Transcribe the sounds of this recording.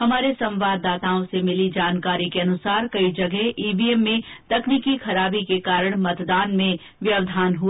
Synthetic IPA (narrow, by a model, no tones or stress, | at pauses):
hɐmaːɾesɐ̃mʋaːd̪ːaːt̪aːõsemɪlid͡ʒaːnkaːɾikeɐnʊsaːɾkɐid͡ʒɐɡɛɦʔiːbiemːẽt̪ɐkniːkixʰɐɾaːbikekaːɾəɽ̃mɐt̪d̪aːnmẽ | ʋjɐʋd̪ʱaːnɦu